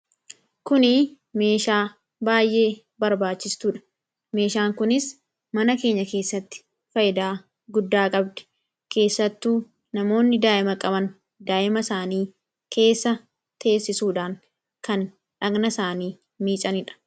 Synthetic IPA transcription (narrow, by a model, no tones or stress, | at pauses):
kʊnɪ | me̞ːʃaː | baːjʔe̞ː | bɐɾbaːt͡ʃːɪst̪ʊᶑɐ̥ | me̞ːʃaːŋkʊnɪs | mɐnɐke̞ːɲːɐke̞ːsːɐt̪ːɪ̥ | fɐjɪd̪aː | ɡʊd̪ːaːkʼɐbd̪ɛ̥ | kʰe̞ːsːɐt̪ːuː | nɐmo̞ːnːɪd̪aːʔɪmɐkʼɐbɐn | d̪aːʔɪmɐsaːniː | kʰe̞ːsːɐ | t̪e̞ːsːɪsuːᶑaːŋ | kɐn | ᶑɐɡnɐsaːniː | miːt͡ʃʼɐnɪᶑɐ̥